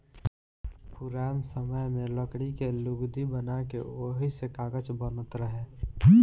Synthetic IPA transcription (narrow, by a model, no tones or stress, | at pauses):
pʊɾaːnsəməjmẽləkɽikelʊɡd̪ibənakḛoːɦisekaːɡət͡ʃbənət̪ɾəɦeː